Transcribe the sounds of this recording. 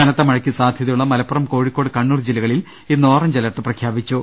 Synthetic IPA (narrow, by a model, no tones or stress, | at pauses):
ɐnɐt̪ːɐmɐɻɐkʲːisaːd̪ʱjɐðɐjuɭːɐmɐlɐpːɐrɐmko̞ːɻikːo̞ːɽɨkɐɳːuːrd͡ʑilɐɣɐɭil | inːo̞ːrɐmd͡ʑɐlɐʈːɨprɐkʰjaːbit͡ɕːu